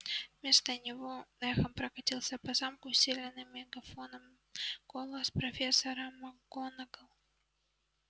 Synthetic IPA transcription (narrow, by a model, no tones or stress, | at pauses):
vmʲe̞st̪ənʲɪvonɛxəmpɾɐkɐtʲilˠsʲəpɐzamkʊsʲilʲɪnːɨmʲːɪɡɐfonəm | kolˠəspɾofʲesːəɾəmɐɡonəɡəlˠ